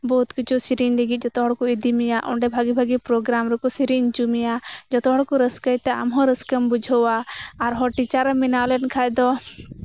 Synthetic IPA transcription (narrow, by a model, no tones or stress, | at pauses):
bɔɦut̪kit͡ʃusiɾiɲlɛɡit̪̚ˀd͡ʒɔt̪ɔɦɔɽkɔid̪imijaʔɔ̰ɳɖɛbʱaɡibʱaɡipɾɔɡɾamɾɛkɔsiɾiɲt͡ʃumijad͡ʒɔt̪ɔɦɔɽkɔɾəskəjt̪ɛa̰mɦɔ̃ɾəskəmbud͡ʒʱəwaːɾɦɔʈit͡ʃaɾəmːinawlɛnkʰajd̪ɔ